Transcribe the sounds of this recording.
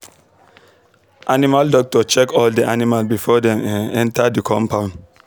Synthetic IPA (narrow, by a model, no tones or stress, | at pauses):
ʔanimaldɔk̚tɔt͡ʃɛkɔldiʔanimalbifɔdɛ̃mɛ̃nɛ̃ntʰadikʰɔ̃mpʰãn